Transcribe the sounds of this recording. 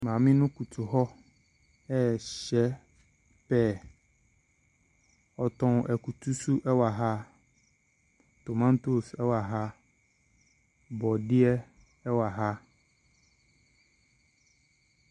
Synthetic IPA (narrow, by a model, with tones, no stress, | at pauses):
mã˨mĩ˦nʊ̃˦ku˨t̪ʰu˨ɦɔ˦ | ɛ˦˨ɕɛ˦ | pɛ˦˨ | ɔ˨t̪ɔ̃˨wʔɛ˨ku˨t̪ʰu˦su˦ʔɛ˦wa˨ɦa˦ | t̪o˨mã˦n˦t̪o˦sɛ˦wa˨ɦa˦ | bɔ˨dɪ˦ɛ˦ | ɛ˦wa˨ɦa˦